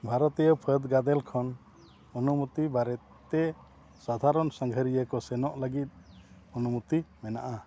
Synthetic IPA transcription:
bʱaɾɔt̪ijɔpʰəd̪ɡad̪ɛlkʰɔn | ɔnumut̪ibaɾɛt̪ | t̪ːɛ | sad̪ʱaɾɔnsãŋɡʱəɾijəkɔsɛnɔʔləɡit̪̚ | ɔnumut̪imɛna̰ʔa

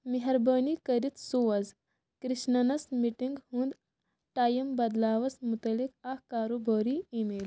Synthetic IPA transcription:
miɦɐɾbɐːnikɐɾit̪suʋɐz | kɾiʃnɐnɐsmiʈiŋɡhũnd̪ | ʈaːjɐmbɐd̪laːʋɐsmut̪ɐlik̚ɐhkaːɾoːboːɾiimeːl

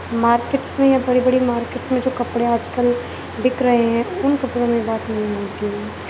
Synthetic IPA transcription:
maːɾkeːʈsmẽjabɐɽibɐɽimaːɾkeːʈsmẽd͡ʒoːkɐpɽeaːd͡ʒkəl | bɪkɾɐɦeɦɛ̃ʊnkɐpɽõmẽbaːt̪nɐɦĩɦoːt̪iɦɛ̃ː

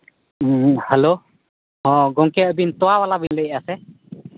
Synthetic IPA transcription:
helo | hɔ̃ɡɔŋkɛəbint̪ɔwawalabinləjasɛ

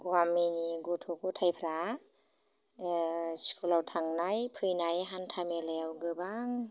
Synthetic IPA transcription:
ɡuaminiɡutʰɔkʰutʰajpʰɾa | skʰulawtʰaŋnajpʰɯjnajɦantʰameleawɡɯbaŋ

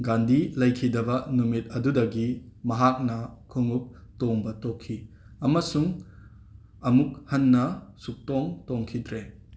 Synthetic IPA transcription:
ɡandilɐjkʰidɐbɐnumit̚ɐdudɐɡimɐɦak̚nɐkʰoŋup̚toŋbɐtokʰːi | ɐmɐsuŋ | ɐmuk̚hɐnːɐsuk̚toŋtoŋkʰidɾe

